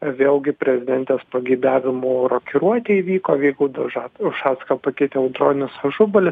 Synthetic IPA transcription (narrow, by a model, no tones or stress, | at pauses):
ʋʲeːlˠɡʲɪpʲɾʲɛzʲɪd̪ʲɛnʲt̪ʲeːspɐɡʲɛɪd̪ɑːʋʲɪmuːɾoːkʲɪɾuɔt̪ʲeːiːʋʲiːkoːʋʲɛɪɡʊd̪ɐʒɑʊʃɑːskɐpɐkʲɪt̪ʲɛɛʊd̪roːnʲʊsɐʒʊbɐlʲɪs